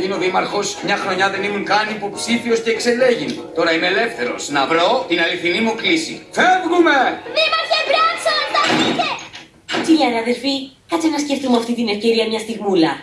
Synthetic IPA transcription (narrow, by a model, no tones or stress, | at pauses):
ʝino̞ðimɐɾxo̞smɲɐxɾo̞ɲɐðe̞nimuŋkɐniːpo̞psifio̞sce̞ːkse̞le̞ʝint̪o̞ɾɐimeːle̞fθe̞ɾo̞̰snɐvɾo̞t̪inɐliθinimuklisḭfevɣume̞ðimɐɾçevɾɐsot̪ɐt̪ite | kiʎɐneɐðe̞lfi | kɐt͡senɐsce̞fθumɐft̪int̪ine̞fce̞ɾiɐmɲɐst̪iɣmulɐ